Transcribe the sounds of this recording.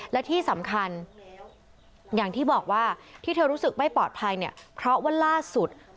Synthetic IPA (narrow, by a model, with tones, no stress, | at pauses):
lɛ˦˥t̪ʰiː˥˩sa˩˦mkʰa˧n | jaː˨˩ŋt̪ʰiː˥˩bɔː˨˩k̚waː˥˩t̪ʰiː˥˩t̪ʰɤː˧ɾu˦˥sɯ˨˩k̚ma˥˩jpɔː˨˩t̪̚pʰa˧jni˥˩ɐpʰɾɔ˦˥wa˦˥laː˥˩su˨˩t̪̚